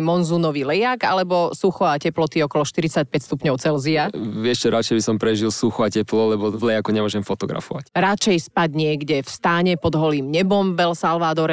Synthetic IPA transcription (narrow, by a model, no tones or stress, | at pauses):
mɔnzunɔʋilɛjaɡalɛbɔsuxɔacɛplɔt̪iɔkɔlɔʃt̪iɾit͡sac̚pɛcst̪upɲɔʊt͡sɛlziaɪɛʃt͡ʃɛɾat͡ʃɛjbisɔmpɾɛʒilsuxɔacɛplɔlɛbɔvlɛjakuɲɛmʊɔʒɛmfɔt̪ɔɡɾa̰fɔʋa̰cɾat͡ʃɛjspaɟɲɪɛɡɟɛfst̪aɲɛpɔd̪ɦɔliːmɲɛbɔmbɛlsalʋad̪ɔɾ